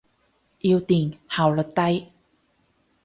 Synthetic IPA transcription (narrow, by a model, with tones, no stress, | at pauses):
ʔi˧wt̪iː˨˩nha˨˩wlo˨˩t̪ɐ˥˧j